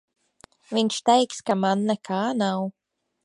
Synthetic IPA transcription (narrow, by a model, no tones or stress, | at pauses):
viɲʃt̪ɛjkskamanːɛkʰaːnaw